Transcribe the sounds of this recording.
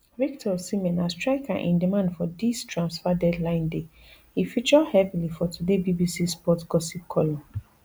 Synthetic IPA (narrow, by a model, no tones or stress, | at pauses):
vik̚tʰɔsimɛ̃nastɹaɪkaʔḭ̃ndimãndfɔdistʰɹãnsfadɛdlãɪ̃nde | hifit͡ʃɔdhɛvilifɔtʰudebibisispɔtɡ̥ɔsip̚kʰɔlɔ̃